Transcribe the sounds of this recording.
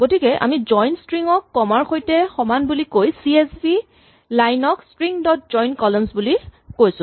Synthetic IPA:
ɡ̥otikɛʔa̰mizɔjntstɹiŋɔkːɔmaɹxojtɛxɔmanbulikojsiesbi | lajnɔkstɹiŋdɔt̚zɔjnkɔlɔmsbulikojsʊ̃

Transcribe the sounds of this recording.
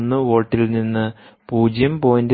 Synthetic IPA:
nːɨʋo̞ːʈːilninːɨ | puːd͡ʑjɐmpo̞ːjind

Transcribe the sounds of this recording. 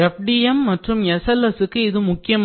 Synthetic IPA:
ɛfɖijɐmːɐʈrɯmɛsɐlːɐsɯkːɯɪðɯmʊkːɪjɐm

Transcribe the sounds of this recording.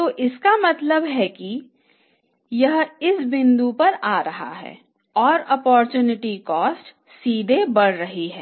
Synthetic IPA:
t̪oːʔɪskamɐt̪ləbɦɛki | jɐɦɪsbɪ̃nd̪upɐɾaːɾɐɦa̰ɦɛ̰ː | ɔːɾɔpɔːɾt͡ʃjuːnɪʈikɔːsʈ | siːd̪ʱebɐɽ̤ɾɐɦiɦɛː

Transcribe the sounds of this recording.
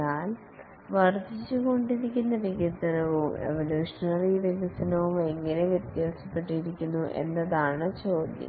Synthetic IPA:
aːl | ʋɐrd͡ʑit͡ɕːuɣo̞ɳɖiɾikʲːunːɐʋiɣird̪ɐnɐʋumḛʋɐljuːʂɐnɐriʋiɣɐsɐnɐʋume̞ŋːɐneʋjɐt̪jaːsɐpːe̞ʈːiɾikʲːunːuʔe̞̰nːɐðaːɳɨt͡ɕoːd̪jɐ̰

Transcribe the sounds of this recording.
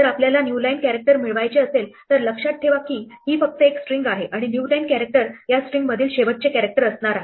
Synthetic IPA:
d͡zəɾapljalanjulajnkæɾek̚ʈəɾmiɭʋajt͡ɕeəselt̪əɾləkʂaʈ̪̚ʈʰeʋakiːɦiːfək̚t̪əeksʈɾiŋɡaɦeʔaɽ̃injulainkæɾek̚ʈəɾjasʈɾiŋɡməd̪ʱiːlɕeʋət̪̚t͡ɕekæɾek̚ʈəɾəsɳaɾaɦe

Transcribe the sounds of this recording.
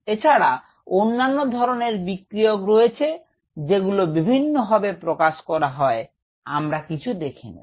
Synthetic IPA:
et͡ɕʰaɽa | onːanːod̪ʱɔɾoneɾbikɾiokɾojet͡ɕʰe | d͡ʑeɡulobibʱinːobʱabepɾokaʃkɔɾaɦɔe | a̰mɾakit͡ɕʰud̪ekʰinḭ

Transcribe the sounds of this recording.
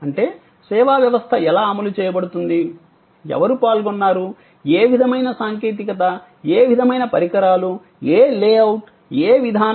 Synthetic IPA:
ɐɳʈe̞ː | sɛːʋaːʋjɐʋɐst̪ʰɐɛlaːɐmɐlut͡ʃɛːjɐbɐɽut̪und̪i | ɛ̰ʋɐɾupaːlɡɔnːaːɾu | eːʋid̪ʱɐmɐjnɐsaːŋke̞ːt̪̬ikɐt̪ɐ | eːʋid̪ʱɐmɐjnɐpɐɾikɐɾaːlu | eːleːɐwʈ | eːʋid̪ʱaː

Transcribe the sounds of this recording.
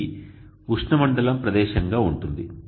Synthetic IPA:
uʂɳɐmɐɳɖɐlɐmpɾɐd̪ɛːʃɐŋɡaːuɳʈund̪i

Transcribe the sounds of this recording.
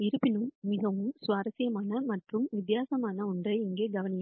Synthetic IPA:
ɪɾɯpːɪnɯmmɪɣɐʋɯmsʋaːɾɐsɪjɐmaːnɐmɐʈrɯmʋɪt̪jaːsɐmaːnɐʊɳdrɐɪɪŋɡeːɡɐʋɐnɪjɐ

